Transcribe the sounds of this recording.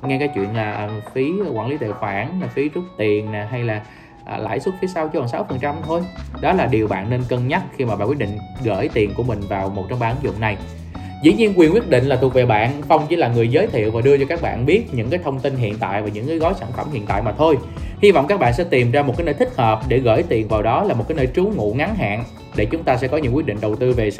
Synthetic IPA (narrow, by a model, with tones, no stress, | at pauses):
ŋɛ˧kaː˨˦jt͡ɕwḭ˧˨ənlaː˨˩ʔə˨˩fi˨˦kwaː˧˩nli˨˦t̪ʰḛ˧˨wfaː˧˩naː˨˩fi˨˦t͡ɕʊ˦˥t̚t̪i˨˩ənːaː˨˩ɦa˧jlaː˨˩ | ʔəː˨˩la̰ː˧˥˩jswu˦˥t̚fi˨˦sa˧wt͡ɕi˧waː˨˩nsaː˨˦wfə˨˩nt͡ɕa˧mt̪ʰo˧jɗɔ˨˦laː˨˩ɗi˨˩əwɓa̰ː˧˨nːe˧nkə˧nɲa˦˥t̚xi˧maː˨˩ɓaː˨kwt̚ɗḭ˧˨ŋ̟ɣə̰ː˧˩jt̪i˨˩nku˧˩əmï˨˩ŋ̟vaː˨˩wmo˨˩t̚t͡ɕɔ˧ŋ͡mɓaː˨ʔə˨˦nzʊ̰˧˨ŋ͡mna˨˩j | zḭ˧˩ɲi˧ənkwi˨˩nkwət̚ɗḭ̈˧˨ŋ̟laː˨˩u˨˩k̚ve˨˩ɓa̰ː˧˨nfə˧wŋ͡mt͡ɕḭ˧˩laː˨˩ŋɨ˨˩əjzəː˨˦jt̪ʰḭ˧˨əwvaː˨˩ɗɨ˧ət͡ɕɔ˧kaː˦˥k̚ɓa̰ː˧˨nɓi˦˥ət̚ɲɨ̰˧˥ŋkaː˨˦jt̪ʰə˧wŋ͡mt̪i˧nɦḭ˧˨ənt̪a̰ː˧˨jvaː˨˩ɲɨ̰˧˥ŋːkɨː˨˦jɣɔ˨˦jsaː˧˩nfə˧˩mhḭ˧˨ənt̪a̰ː˧˨jmaː˨˩t̪ʰo˧j | hi˧vɔ̰˧˨wŋ͡mkaː˦˥k̚ɓa̰ː˧˨nsɛ̰˧˥t̪i˨˩mzaː˧mo˨˩aː˨˦jnəː˧t̪ï˦˥k̚həː˨˩p̚ɗe˧˩ɣə̰ː˧˩jt̪i˨˩ənvaː˨˩wɗɔ˨˦laː˨˩m̚˨˩kaː˨˦jnəː˧jt͡ɕu˨˦ŋṵ˧˨ŋa˨˦nɦa̰ː˧˨n | ɗe˧˩t͡ɕʊ˨˦ŋ͡mt̪aː˧sɛ̰˧˥kɔ˨˦ɲɨ̰˧˥ŋkwi˦˥t̚ɗḭ˧˨ŋ̟ɗə˨˩wt̪ɨ˧ve˨˩